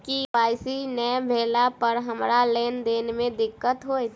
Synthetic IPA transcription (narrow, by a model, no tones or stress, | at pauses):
kipaːɪsinɛbʱeːlapəɾɦəmɾaleːnd̪eːnemẽd̪ɪkːət̪ɦoːi